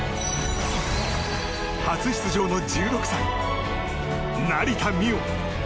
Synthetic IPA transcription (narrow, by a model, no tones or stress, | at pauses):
hat͡sɨɕi̥t͡sɨʑo̞ːno̞d͡ʑɨːɾo̞kɯ̟̥sãĩ | naɾʲit̪amʲio